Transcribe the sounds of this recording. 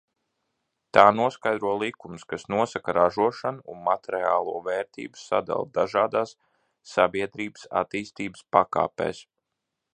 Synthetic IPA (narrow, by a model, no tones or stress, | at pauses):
t̪aːnuɔskajd̪ɾuɔlˠikumskasnuɔsakaɾaʒuɔʃanuunmat̪ɛɾɛa̰ːlˠuɔvɛːɾt̪ḭːbu̥sa̰d̪a̰lˠd̪aʒaːd̪aːsː | abʲiɛd̪ɾiːbə̥sa̰t̪iːst̪iːbspaka̰ːpḛːs